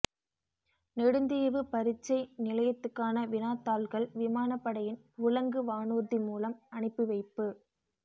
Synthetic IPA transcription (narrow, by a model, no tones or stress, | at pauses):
nɛɽɯnd̪ɪjɐʋɯpɐɾɪt͡ʃːɐɪnɪlɐjɐt̪ːɯkːaːnɐʋɪnaːt̪ːaːlɣɐɭʋɪmaːnɐpːɐɽɐjɪn | ʊɭɐŋɡɯʋaːɳuːɾðimuːlɐmɐɳɪpːɯʋɐɪpːɯ